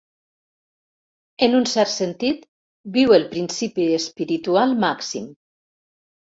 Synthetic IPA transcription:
enunsɛɾt̪sent̪it̪ | biwelˠpɾinsipiespiɾit̪ualˠmaksḭm

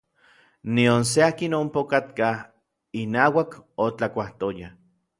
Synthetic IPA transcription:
nions̬eaːkinompokat̪kah | inaːwakot͡ɬakʷaht̪oja

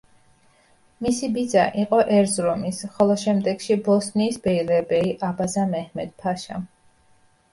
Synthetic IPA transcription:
misibid̪za̰ʔiqʼɔʔɛɾzɾɔmisχɔlˠɔʃɛmd̪ɛɡʃibɔsniːsbɛilɛbɛiʔabazamɛhmɛd̪̥̚pʰaʃa̰

